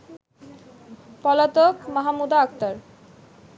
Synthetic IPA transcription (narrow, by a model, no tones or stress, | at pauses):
pɔlat̪okmaɦamud̪aak̚t̪aɾ